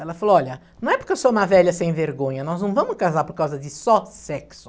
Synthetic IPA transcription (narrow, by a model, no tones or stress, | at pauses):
ɛlɐfaloɔʎɐnɐ̃ɛpʊɾkewsoũmɐvɛʎɐsẽj̃veɾɡõɲɐnɔznɐ̃w̃vɐ̃mʊskazaɾpoɾkawzɐd͡ʒɪsɔsɛksʊ̥